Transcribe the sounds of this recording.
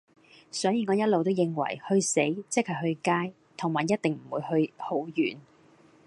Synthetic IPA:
sɔː˨˥jiː˧ŋɔː˨˧jɐ˥t̚lo˨wt̪o˥wjɪ˨˧ŋwɐ̰˨˩jhɵ˧ɥse˨˥jt͡sɪ˥k̚hɐ˨˩ɦɵ˧ɥkaː˥j | t̪ʰʊ˨˩ŋmaː˨˩jːɐ˥t̚t̪ɪ˨ŋm̩˨˩wuː˨˧jhɵ˧ɥho˨˥wjy̰ː˨˩n

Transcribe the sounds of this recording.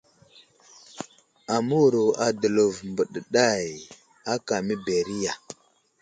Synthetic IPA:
a˨mu˦wɾo˨a˨də˨lu˨vmbə˨ɗə˨ɗa˦j | a˦ka˨mi˦be˨ɾi˦ja˨

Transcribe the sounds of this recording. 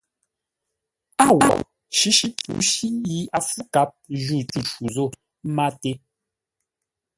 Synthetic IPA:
a˦˨wɔ̰˦˨ʔ | ʃi˦ʃi˦pṵ˨˦ʃi˦ji˦a˨fu˦ka˦p̚ʒu˦˨tu˨ʃu˨zo˦˨˦ | ma˦˨te˦

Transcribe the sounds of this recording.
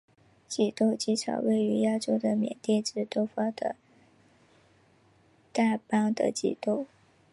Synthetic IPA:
t͡ɕi˨˩t̪o˥˩ʊt͡ɕi˥ʈ͡ʂʰɑ̰˨˩ʊwe˥˩ɪy˧˥ja˥ʈ͡ʂo˥ʊd̪ə˨mjɛ̰˨˩nt̪jɛ˥˧ʈ͡ʂɻ̩˥˩t̪o˥ʊfɑ˥d̪ə̰˧ | t̪a˥˩pɑ˥ŋd̪ə̰˨t͡ɕḭ˨˩t̪o˥˩ʊ

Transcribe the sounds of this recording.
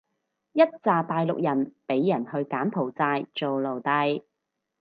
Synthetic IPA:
jɐ˥t̚t͡saː˨˧paː˧jlʊ̰˨k̚jɐ˨˩npe˨˥jːɐ˨˩nhɵ˧ɥkaː˨˥npʰo˨˩wt͡saː˧jt͡so˨wlo˨˩wt̪ɐ˧j

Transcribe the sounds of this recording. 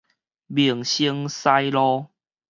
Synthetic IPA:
bi˨˩əŋɕi˧˦ŋsa˦jlɔ˦

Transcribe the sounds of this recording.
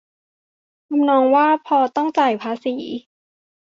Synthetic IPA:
kʰa˧mnɔː˧ŋwaː˥˩pʰɔː˧t̪ɔ˥˩ŋt͡ɕaː˨˩jpʰaː˧˥siː˩˦

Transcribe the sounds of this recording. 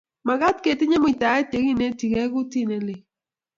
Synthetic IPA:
ma˨ɣa˦t̚ke˨tɪ˦ɲe˦mʊ˨ta˨˦ɛ˦te˨ɣi˦˨ne˦ti˨kɛ˦kʊ˦ti˦˨ne˨lɪ˨

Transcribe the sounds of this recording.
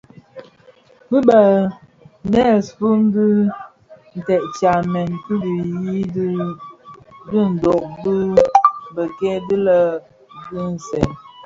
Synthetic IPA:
bɨ˦bə˨ | nɛ˦˨sfu˦n˦dɨ˦ | n̩˨tɛ˨ʔt͡ʃa˨mɛ˨nkɨ˦di˨ji˦dɨ˦ | dɨ˦n̩˨dɔ˨ʔdɨ˦bə˨kɛ˦dɨ˦lə˦ | ɡɨ˦n̩˨sɛ˨n

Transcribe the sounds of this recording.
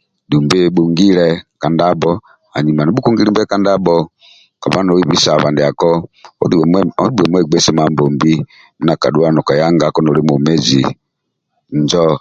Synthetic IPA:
du˨mbɛ˦bu˨ŋɡi˦lɛka˨nda˦bɔ˦ | a˨ɲi˨ma˨ni˦bu˦ku˦ŋɡi˦dumbɛ˦ka˦nda˦bɔ | ka˨ba˦nɔ˨wi˦βi˦sa˨βa˨ndi˨a˨kɔ̰˦dɔ˦di˦bɛ˨mwɛɡ͡bɛ˦sɛ˦mambɔ˨mbi˦ | mu˦na˨ka̰˨du˦a˦nɔ˨ka˨ja˦ŋɡakɔ˦nɔ˨li˦mu˨mɛ˦d͡ʒḭ˨ | nd͡ʒɔ˦

